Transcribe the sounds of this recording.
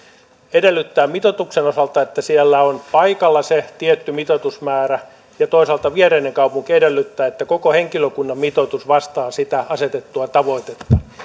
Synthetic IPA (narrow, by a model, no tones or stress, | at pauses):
edelːyt̪ːæːmmit̪ot̪ukseno̞sɑlt̪ɑet̪ːæsielːæonpɑikɑlːɑset̪iet̪ːymit̪ot̪usmæːræ | jɑt̪oisɑlt̪ɑʋiereineŋkɑupuŋkiedelːyt̪ːæːet̪ːæko̞kohe̞ŋkiløkunːɑmmit̪ot̪usʋɑst̪ɑːsit̪æɑset̪et̪ːuɑt̪ɑʋo̞it̪et̪ːɑ̥